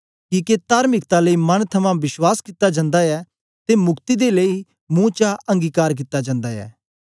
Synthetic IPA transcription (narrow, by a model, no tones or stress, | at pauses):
kiːket̪aːɾmɪkt̪aləimɐnt̪ʰɐmãʋɪswaːskɪt̪ːad͡ʒɐ̃nd̪aɛː | t̪emʊkt̪id̪eləi | mũːt͡ʃaɐ̃ŋɡiːkaːɾk̬ɪt̪ːad͡ʒãːnd̪aɛ̰ː